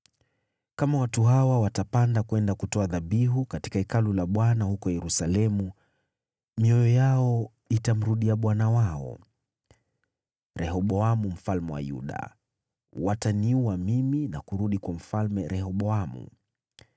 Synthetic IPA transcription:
kamawatuɦawawatapandakwɛndakutɔaðaɓiɦukati̥kaɛkalulaɓwanahukɔjɛɾusalɛmu | miɔjɔjaɔ | itam̩ɾuɗiaɓwanawaɔ̰ | ɾʔɛhɔɓɔamum̩falmɛwa̰jṵɗa̰ | wataniuwamiminakuɾuɗikwam̩falmɛɾɛhɔɓɔamṵ

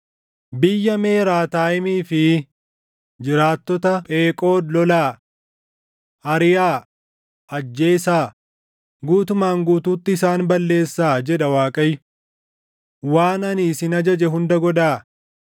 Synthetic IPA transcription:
bɪjːɐme̞ːɾaːt̪aːjɪmiːfɪ | d͡ʒɪɾaːt̪ːɔt̪ɐpʼeːkʼo̞ːd̪lɔlaː | ɐɾɪjaː | ʔɐd͡ʒːe̞ːsaː | ɡuːt̪ʊmaːŋɡuːt̪uːt̪ːɪːsaːnbɐlːe̞ːsːaːd͡ʒɛᶑɐwaːkʼɐjːʊ | waːnɐniːsɪnɐd͡ʒɐd͡ʒɛɦʊnd̪ɐɡɔᶑaː

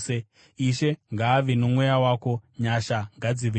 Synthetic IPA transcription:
e | iʃe̞ŋɡaːʋenomwejawaːko̞ɲaʃaŋɡad͡ziʋe

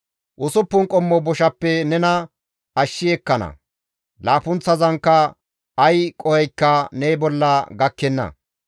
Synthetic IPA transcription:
ʔʊsʊpːʊnkʼɔmːɔbɔʃɐpːɛnɛnɐ | ɐʃːɪɛkːɐnɐ̰ | laːpʊnt͡sːɐzɐŋkːɐ | ɐjkʼɔhɛjkːɐnɛjbɔlːɐɡɐkːɛnːɐ̰

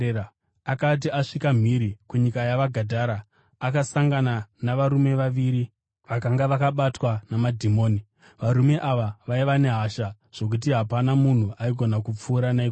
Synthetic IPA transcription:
akat̬iaʂikam̤iɾikuɲikajaʋaɡʱadʱaɾaː | kasaŋɡananaʋaɾume̞ʋaʋiːɾi | ʋakaŋɡaʋakaɓatwanamadʱimoːni | ʋaɾume̞ʔaʋaʋaiʋane̞ɦaʃa | ʐ̥o̞k̬ut̬iɦapanamun̤uʔaiɡʱo̞nakup͡fuːɾanai

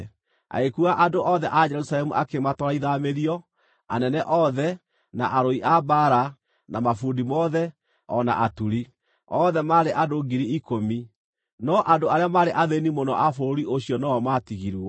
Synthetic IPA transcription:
a̰ekuaʔadoʔɔðɛʔad͡ʒɛɾusaɾɛmuʔakematɔɾaiðameɾiɔ | a̰nɛnɛʔɔðɛ | naʔaɾoiʔabaɾa | namafuːndimɔðɛ | ɔna̰ʔatuɾi | ɔðɛmaɾeʔadoɡiɾiikomi | nɔʔandoaɾeamaɾeʔaðenimonɔ̰ʔafoɾiʔoɕjɔnɔɔmatiɣiɾuɔ

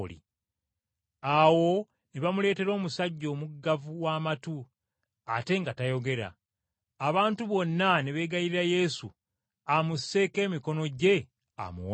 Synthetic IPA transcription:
lḭ | awo̞ | neβamule̞ːte̞ɾo̞ːmusaɟːo̞ːmuɡːavuwaːmatu | ate̞ŋɡatajo̞ɡe̞ɾa̰ː | βaːntuβo̞nːaneβe̞ːɡajiɾiɾaje̞su | amuse̞ːke̞ːmiko̞no̞ɟe̞ | a̰mṵw

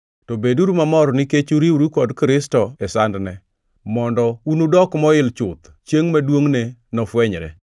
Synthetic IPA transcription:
tobeduɾumamɔɾniket͡ʃuɾiuɾikɔdkɾɪstɔɛsandnɛ | mɔndɔunudɔkmɔɪlt͡ʃʊt̪ | t͡ʃjeŋmadwoŋnenɔfwɛɲɾɛ̰

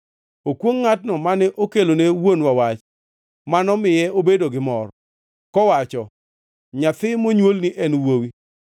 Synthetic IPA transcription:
okwoŋːatnɔmanɛʔokelonewonwawat͡ʃ | manɔmɪjɛobedoɡɪmɔr | kɔwat͡ʃɔ | ɲat̪ɪmoɲwolniʔɛnwowi

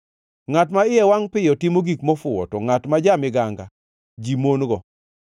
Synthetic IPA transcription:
ŋatmaɪjɛwaŋpɪjɔtimoɡikmɔfʊwɔ̰tɔŋatmad͡ʒamɪɡaŋɡa | d͡ʒimonɡɔ

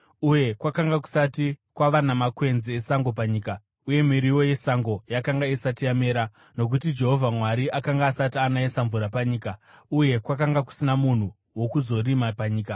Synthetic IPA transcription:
uje̞kwakaŋɡak̬u̥satikwaʋanamakwe̞nziːsaŋɡo̞p̬aɲiːka | uje̞miɾiwo̞je̞saŋɡo̞jakaŋɡaisatiameːɾa | no̞k̬ut̬id͡ʒe̞ɦo̞vʱamwaɾiʔakaŋɡaːsatianaesaɱvuɾapaɲiːkauje̞kwakaŋɡaku̥sinamun̤u | wo̞kuzo̞rimapaɲiːka

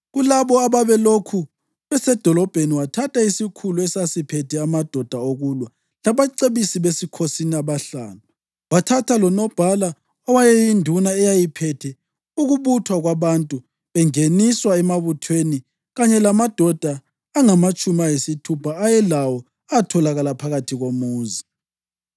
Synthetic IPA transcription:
ɣulaβɔaβaβɛlokʰu | βɛsɛd̥ʱɔlɔb̥ʱeniwatʰatʰaisikʰuluɛsasipʰɛtʰɛamad̥ʱɔd̥ʱaoɣulwa | laβaǀeβisiβesikʰosiniaβaɬa̰ːnu | watʰatʰalɔnɔb̥ʱala | ɔwajɛjindʱunaɛjajipʰɛtʰɛ | uɣuβutʰwaɣwaβantʼu | βɛŋeniswaɛmaβutʰweni | ɣaɲɛlamad̥ʱɔd̥ʱaː | ŋamat͡ʃʼumajesitʰupʰaːjɛlawɔ | atʰɔlaɣalapʰaɣatʰiɣomuːzi

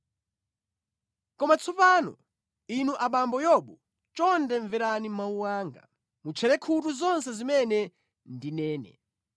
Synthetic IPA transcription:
kɔmat͡sʰɔpaːnɔ̰ | inuʔaɓambɔjɔɓu | t͡ʃɔndɛɱvɛɾanimauwaːŋɡa̰ | mut͡ʃʰɛɾɛkʰutuzɔns̬ɛzimɛnɛ | ndinɛːnɛ̰

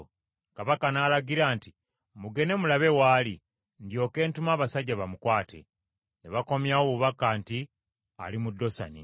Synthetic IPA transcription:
kaβakanaːlaɡiɾaːnti | muɡe̞ne̞mulaβe̞waːli | ndjo̞ke̞ːntumaːβasaɟːaβamukwaːtʰe̞̰ | neβako̞mjawoβuβakaːnti | a̰limudːo̞sa̰nḭ

